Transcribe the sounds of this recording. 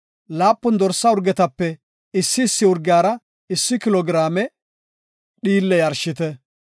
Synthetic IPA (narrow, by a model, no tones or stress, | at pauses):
laːpːʊnd̪ɔɾsːɐʊɾɡɛt̪ɐpːɛ | ɪsːɪːsːɪʊɾɡɪjaːɾɐ | ɪsːɪkɪlɔɡɾaːmɛ | ɗiːlːɛjɐɾʃːɪt̪ɛ